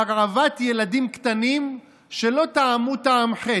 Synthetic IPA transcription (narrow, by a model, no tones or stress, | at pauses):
aʁʕavat̪jelad̪imkt̪anim | ʃe̞lo̞t̪aːmut̪aamħe